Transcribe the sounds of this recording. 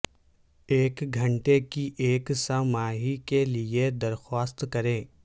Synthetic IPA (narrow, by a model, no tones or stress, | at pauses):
eːkɡʱɐ̃ɳʈekiʔeːksamaːɦikelied̪ɐɾxaːst̪kɐɾẽː